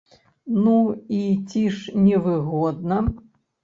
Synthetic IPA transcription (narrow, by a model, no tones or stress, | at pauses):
nuit͡sʲiʂnʲɛvɨɣɔd̪̚nɐ